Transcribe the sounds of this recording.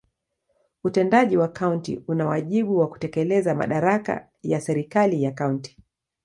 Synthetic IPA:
utɛndaʄiwakauntḭunawaʄiɓuwaku̥tɛkɛlɛzama̰ɗaɾaka̰ | jasɛɾikalijakaunti̥

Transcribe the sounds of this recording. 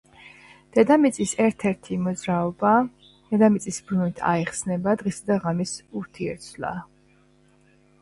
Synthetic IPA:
d̪̥ɛd̪amit̪sʼisɛɾt̪ʰɛɾt̪ʰimɔd̪zɾaɔba | d̪̥ɛd̪amit̪sʼisbɾunit̪ʰa̰iχsnɛbad̪ʁisad̪aʁamisuɾt̪ʰiɛɾt̪sʰla̰

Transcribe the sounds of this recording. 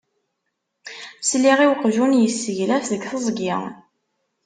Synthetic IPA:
sliʁiwqʒunjəsːəʝlæfðəɡθəzˤɡɪ̰ʁ

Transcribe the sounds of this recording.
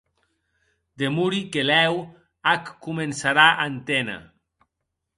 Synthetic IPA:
d̪emuɾikelɛw | akːumensaɾaʔant̪ena̰

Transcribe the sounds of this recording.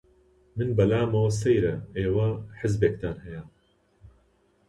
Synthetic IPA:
mɨnbɐlaːmɐwɐsɐjɾɐeːwɐħɪzbeːk̚t̪aːnhɐja

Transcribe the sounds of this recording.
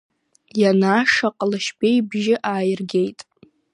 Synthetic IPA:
janaːʂaqʼlɨʃbejbʒɪʔaːjɪrɡʲe̞jtʼ

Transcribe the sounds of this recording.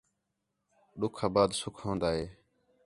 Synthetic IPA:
ɗʊkʰaːbaːd̪sʊkʰõːnd̪aːɦeː

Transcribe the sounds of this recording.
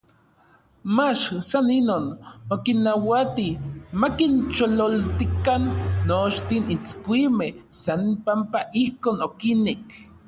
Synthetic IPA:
mat͡ʃsaninoːnokinːawat̪imakint͡ʃololt̪ikanːot͡ʃt̪init͡skʷimehsanpampaʔihkoːnokinek

